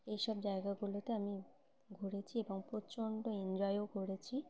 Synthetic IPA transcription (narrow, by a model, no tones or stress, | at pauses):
ejʃɔb̚d͡ʑaeɡaɡulot̪eami | ɡʱoɽet͡ɕʰieboŋpɾot͡ɕoɳɖoend͡ʑɔeoɡʱoɽet͡ɕʰi